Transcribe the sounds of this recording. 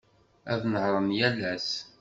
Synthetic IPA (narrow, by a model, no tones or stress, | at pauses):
æ̰ðnəhɾˤənjælːæs